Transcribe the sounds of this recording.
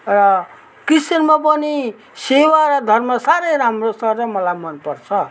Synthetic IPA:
rʌ | krisʌnmapʌni | sewaɾʌd̪ʱʌrmʌsaɾʌjɾamrostʌrrʌmʌlajmʌnpʌrt͡sʰʌ

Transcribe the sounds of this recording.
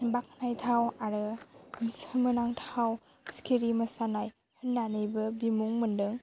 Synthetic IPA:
bak̚najtʰawaɾɯmsmɯnaŋtʰaw | skʰiɾimɐsanaj | hɯnːanɯjbɯbimuŋmɯndɯŋ

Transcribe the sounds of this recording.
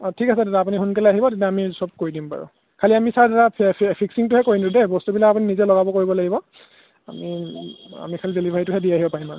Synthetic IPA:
tʰikasɛtɛtaap̬uniɦunkɛlɛaɦibɔtitjaamisɔb̚koɹidimpa̰ɹʊ̰ | kʰaliamisadaɹappʰiksiŋtʊhɛkoɹinudɛbɔstubilaapuninizɛlɔɡabɔkoɹibɔlaɡibɔ | a̰mi | a̰mikʰalizelibʱaitʊɦɛdiaɦibɔpaɹima

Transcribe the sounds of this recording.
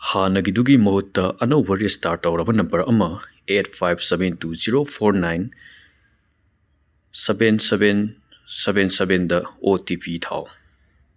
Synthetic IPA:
hanɐɡiduɡimɐɦutːɐʔɐnɐwbɐɾestaɾtːɐwɾɐbɐnɐmbɐɾɐmɐ | et̚ʰpʰajp̚ʰsebentuziɾopʰoɾnajn | sebenseben | sebensebendɐotipitʰa̰w

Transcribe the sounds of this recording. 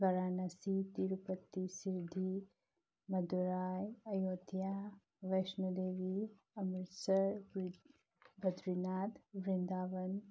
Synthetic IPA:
ɡɐɾaːnɐsit̪iɾupət̪ːisiɾd̪ʱi | mɐd̪uɾaːjɐjoːd̪ja | ʋɐjʃnɐd̪eːʋi | ɐmɪt̪sɐɾ | bɐd̪ɾinaːt̪ʋɾɪnd̪aːʋɐn

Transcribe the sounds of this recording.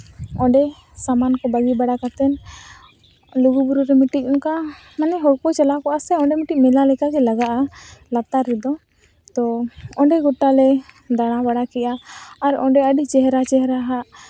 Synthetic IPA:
ɔɖɛ | samankɔbaɡibaɽakat̪ɛn | luɡubuɾuɾɛmiʈic̚ˀɔnka | manɛɦɔɽkɔt͡ʃɛlakɔʔasɛɔɖɛmiʈic̚mɛlalɛkaɡɛlaɡaʔalat̪aɾɛd̪ɔ | t̪ɔɔɳɖɛɡɔʈalɛ | d̪aɽ̃abaɽakɛʔaːɾɔɖɛəɖit͡ʃɛɦɾat͡ʃɛɦɛɾaɦaʔ

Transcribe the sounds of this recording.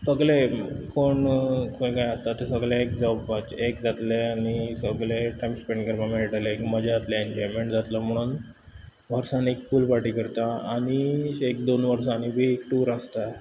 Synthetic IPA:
səɡɭekoɳkʰõkajəst̪at̪esəɡɭjaek̚d͡zɔbʋat͡ɕekd͡zat̪leaɽ̃isəɡɭeʈajmspeɳɖkəɾmameɭiʈalekməd͡ʑʱaat̪laeɲd͡ʑɔjmeɳʈd͡zat̪ləm̤əɽ̃uːn | ʋəɾsanekfuːlpaʈiːkəɾt̪aaɽ̃iek̚d̪onʋəɾsãːnibʱiekʈuːɾəst̪a

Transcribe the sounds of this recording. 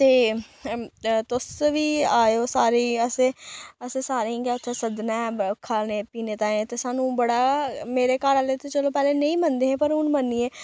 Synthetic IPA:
t̪eː | t̪ʊsʋiːaːoːsaːɾiːəseəseːsaːɾeĩːɡɛːʊt̪ʰːesəd̪nɛ̃ːkʰaneːpiːneːt̪aːẽt̪eːsaːnũːbəɽaːmeːɾeːkaːɾalet̪eːt͡ʃəloːpɛːleːnə̃ĩːmənd̪eːɦɛ̃ːpəɾʊnmənːiːeː

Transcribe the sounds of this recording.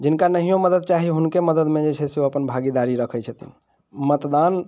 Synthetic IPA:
d͡ʒinkanəɦijoməd̪əd̪̚t͡ʃaɦiɦunkeməd̪əd̪med͡ʒet͡ʃʰɛseoəpənbʱaɡid̪aɾiɾəkʰət͡ʃʰət̪ḭn | mət̪d̪an

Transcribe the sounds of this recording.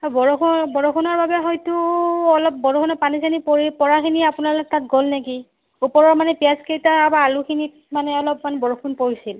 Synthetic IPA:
ɔbɔɹokʰunbɔɹokʰunɔɹbabɛɦɔjtʊɔlɔp̚bɔɹokʰunɔpanisanipoɹipɔɹakʰiniapunalɔk̚tatɡolneki | upɔɹɔɹmanɛpijaskejtaabaːlukʰinit̚ | manɛɔlɔpmanɛbɔɹokʰunpoɹisil

